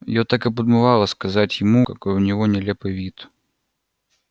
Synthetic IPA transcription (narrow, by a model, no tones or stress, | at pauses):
jot̪akɨp̬əd̪mɨvɑlˠəskɐzatʲjɪmukɐkojʊnʲɪvonʲɪlʲepɨjvʲit̪